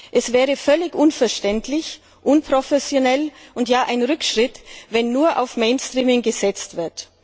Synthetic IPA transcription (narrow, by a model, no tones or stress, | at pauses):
ʔɛsv̥ɛːʁəfœlɪçʔʊnfɛɐʃtɛntlɪç | ʔʊnpʁ̥ofɛsjonɛlʔʊntjaːʔaɪnʁʏkʃʁ̥ɪtvɛnːuːɐʔa̰ʊfmeɪnstʁ̥iːmɪŋɡəzɛt͡stv̥ɪɐt